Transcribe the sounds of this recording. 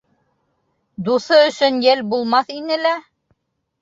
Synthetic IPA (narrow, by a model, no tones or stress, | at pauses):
d̪uθɤɵ̆sɵnjælbulˠmɑθinɘlæ